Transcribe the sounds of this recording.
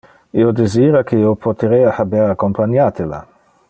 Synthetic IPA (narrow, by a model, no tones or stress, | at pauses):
iod̪eziːɾakʰeiopʰot̪eɾeːahabeɾakːompaɲaːt̪ela̰